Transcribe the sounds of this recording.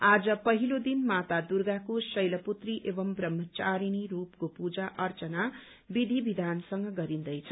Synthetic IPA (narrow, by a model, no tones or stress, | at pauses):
ad͡zʌpʌɦilod̪inmat̪ad̪urɡakosʌjlʌput̪riʔebʌmbrʌmːʌt͡saɾiniɾupkopud͡zaʔʌrt͡sʌna | bid̪ʱibid̪ʱansʌŋɡʌɡʌɾind̪ʌjt͡sʰʌ